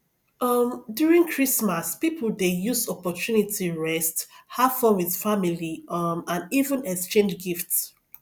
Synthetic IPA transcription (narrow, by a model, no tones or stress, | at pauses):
ʌmdjuɹĩŋkʰɹismaspipʰəldejusɔpɔtʰunitʰiɹɛsthafɔ̃wið̥familimãnivə̃nɛkst͡ʃẽnd͡ʒɡift